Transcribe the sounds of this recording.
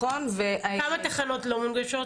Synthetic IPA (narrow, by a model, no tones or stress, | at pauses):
onveʔaamat̪aχano̞t̪lomunɡaʃo